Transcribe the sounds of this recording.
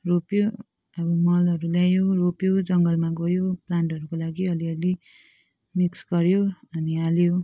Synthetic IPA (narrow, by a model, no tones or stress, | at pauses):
ropjo | ʌbʌmʌlʌɾulajoropjod͡zʌŋɡʌlmaɡʌjoplaɳʈʌɾukolaɡiʌliʌli | miksɡʌɾjoʌnialjo